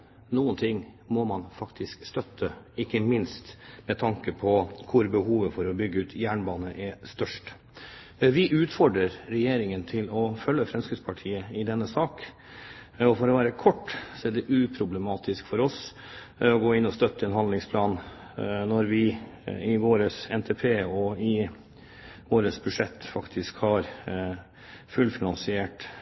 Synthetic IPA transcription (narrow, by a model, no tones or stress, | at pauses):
nuːənt̪ʰɪŋː | mɔmɑnfɑkt̪ʰɪskst̪œt̪ʰːə | ɪkːəmɪnst̪mɛt̪ʰɑŋkəpʰɔkʰʊɾbəhuːʋəfɔɾɔbʏɡːəʉːt̪ʰjæːɳbɑːnəʔɛst̪œʂʈ | ʋɪʔʉːt̪fɔɖɾəɾɾɛjeːɾɪŋənt̪ʰɪlɔfœlːəfɾɛmskɪd̪spʰɑʈʰiːəɪd̪ɛnːəsɑːk | ɔfɔɾɔʋæːɾəkʰɔʈːsɔæɖɛʔʉːpʰɾʊbləmɑːt̪ɪskfɔɾɔs | ɔɡoːɪnːɔst̪œt̪ːəɛnhɑnd̪lɪŋspʰlɑːn | nɔɾʋɪɪʋoːɾəsɛnt̪ʰɛpʰeːɔɪ | ʋoːɾəsbʉʂɛt̪ːfɑkt̪ʰɪskhɑɾ | fʉlfɪnɑnsɪeːʈ